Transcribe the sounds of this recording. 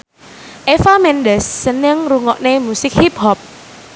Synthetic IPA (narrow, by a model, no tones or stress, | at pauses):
ʔefamɛndəsːənɪŋruŋɔʔnemusɪk̚hip̚hɔp̚